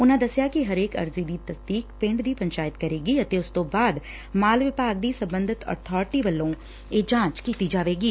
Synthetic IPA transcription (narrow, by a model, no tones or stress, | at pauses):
ʊn̤ãd̪ɐsjakiɦɐɾeːkɐ̰ɾzid̪it̪ɐsd̪iːkpɪ̃ɳɖd̪iːpɐ̃ɲt͡ʃaːjɪt̪kɐɾeːɡiɐt̪eʊst̪oːbaːd̪ | maːlʋɪpaːɡ̚d̪isɐ̃mbə̃nd̪ʱɪt̪ɔ̰ːɾt̪ʰɔːɾʈiʋɐlːõ | eːd͡ʒãːt͡ʃkiːt̪id͡ʒaːʋeːɡiː